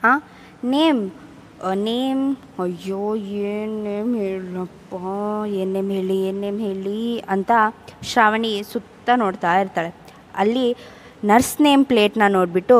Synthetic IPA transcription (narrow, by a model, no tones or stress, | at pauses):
ɦãː | neːm | ɐneːm | ɐjːoːeːnːeːmɦelɐpːɐeːnːeːmɦeːɭieːnːeːmɦeːɭiɐnt̪ɐʃaːʋɐɳisut̪ːɐnoːɽt̪aːiɾt̪aːɭe | ɐ̰lːi | nɐɾsneːmpleːʈnɐnoːɽbiʈːu